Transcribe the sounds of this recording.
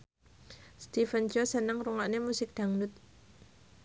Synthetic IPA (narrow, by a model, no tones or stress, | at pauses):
st̪ifənt͡ʃosənəŋruŋaʔnemusɪk̚d̪̥a̤ŋnut̪̚